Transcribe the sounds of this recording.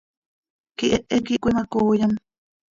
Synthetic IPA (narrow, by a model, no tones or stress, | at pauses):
kiʔeʔekiʔkʷimakuːjam